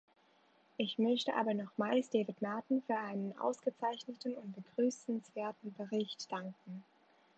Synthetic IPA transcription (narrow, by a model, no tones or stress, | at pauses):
ʔɪçmœçtəʔa̰ːbɐnɔχmaɪstd̥eːvɪtmaɐtn̩fyːɐʔaɪnənʔa̰ʊsɡ̥ət͡saɪçnətn̩ʊnt̚b̥əɡ̥ʁyːsn̩sv̥eːɐtn̩bəʁɪçtd̥aŋkŋ̩